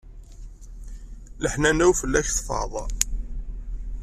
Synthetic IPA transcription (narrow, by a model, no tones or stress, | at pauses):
ləħnænæwfəlːæçθfɑ̰ðˤ